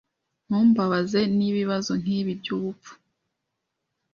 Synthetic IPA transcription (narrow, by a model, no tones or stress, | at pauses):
n̥huːmbaβaze̞niβiβazo̞ŋ̥iːβibɟuβufu̥